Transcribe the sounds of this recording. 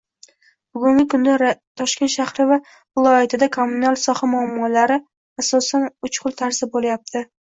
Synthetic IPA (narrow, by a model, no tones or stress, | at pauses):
b̥ʊɡʊŋɡʲɪkʰʊnd̪aɾt̪ʰɒʃkʲe̞nt̪ʃahɾɪva | vɪlˠɒjat̪ʰɪd̪akʰomːunalˠsɒhamʊamːɒlaɾɪ | asɒsanʊt͡ʃqʊlˠt̪ʰaɾsɪbolajap̚t̪ʰɪ